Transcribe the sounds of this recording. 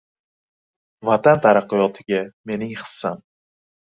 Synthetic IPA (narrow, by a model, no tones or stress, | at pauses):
vat̪ant̪ʰaɾaqːɨjɒt̪ʰɪɡʲame̞nɪŋχsan